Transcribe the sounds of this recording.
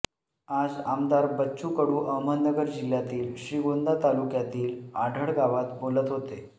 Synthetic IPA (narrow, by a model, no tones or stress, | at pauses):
ad͡zamd̪aɾbətːukəɽuːʔəm̤ənəɡəɾd͡ʑiljat̪iːlɕɾiɡond̪at̪alukjat̪iːlaɖʱəɽɡaʋat̪bolət̪ɦot̪e